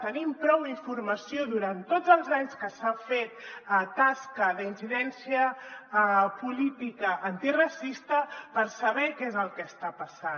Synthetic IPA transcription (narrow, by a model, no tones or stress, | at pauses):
t̪ənimpɾɔwiɱfuɾməsijoðuɾant̪ːod͡zəlˠzaɲskəsafet̪̚ət̪askəðəinsiðɛnsiə | pulit̪ikəʔant̪irɐsist̪əpəɾsəβɛkezəlˠkɛst̪apəsa